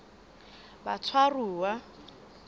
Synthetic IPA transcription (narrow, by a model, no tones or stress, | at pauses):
ba̰t͡sʰwaruːwa